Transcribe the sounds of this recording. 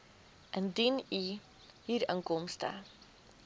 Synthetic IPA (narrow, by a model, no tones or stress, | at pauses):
ʔəndini | ɦiːɾəŋkɔmstə̰